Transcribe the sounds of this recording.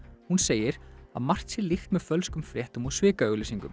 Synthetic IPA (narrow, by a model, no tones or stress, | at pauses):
hunseːjɪɾ̥a̰ðmar̥t̪sɪɾlixt̪mɛðfœlskʏmfɾjɛht̪ʏmuðsvɪːkaœɣlɪsiŋkʏ̰m